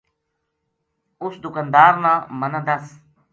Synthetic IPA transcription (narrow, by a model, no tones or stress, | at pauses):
ʊsd̪ʊkand̪aːɾnãːmənə̃nd̪əs